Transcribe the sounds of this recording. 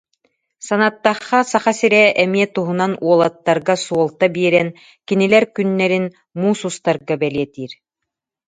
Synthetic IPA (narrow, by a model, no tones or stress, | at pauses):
sanat̪ːaχːasaχasiɾɛʔɛmiɛt̪uɦunanuɔlˠat̪ːaɾɡasuɔlˠt̪abiɛɾɛn | kinilɛɾkynːɛɾin | muːsust̪aɾɡabɛliɛt̪iːɾ